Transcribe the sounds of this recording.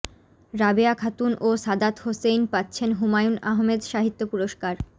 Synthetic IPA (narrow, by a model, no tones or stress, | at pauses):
ɾabeakʰat̪unoʃad̪at̪hosejnpat̪ːɕʰenɦumajunaɦmed̪ʃaɦit̪ːopuɾoʃkaɾ